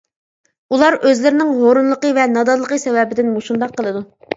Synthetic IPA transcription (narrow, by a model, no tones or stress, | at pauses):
ulˠɑɾøzlɪɾɪnɪŋɦoɾunlˠəqəvɛnɑd̪ɑd̪lˠəqəsɛvɛbɪd̪ɪnmoʃund̪ɑqʰːəlˠɨd̪u